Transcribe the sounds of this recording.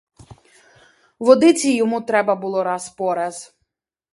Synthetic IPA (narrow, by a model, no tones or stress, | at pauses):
ʋɔd̪ɪt͡sʲijɔmut̪ɾɛbɐbʊlˠɔɾɑspɔɾɐz